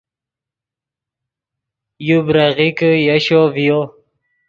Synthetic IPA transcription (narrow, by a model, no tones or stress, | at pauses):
jubɾaʁikəjaɕovijo